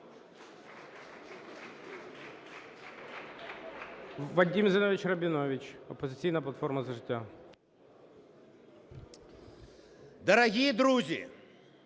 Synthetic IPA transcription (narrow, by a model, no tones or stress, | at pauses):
ʋɐdʲimzɪnɔʋʲɪt͡ʃrɐbʲɪnɔʋʲit͡ʃɔpɔzɪt͡sʲijnɐplˠɐt̪fɔrmɐzɐʐɪtʲːa | d̪ɐɾɐɣʲijid̪ɾuzʲḭ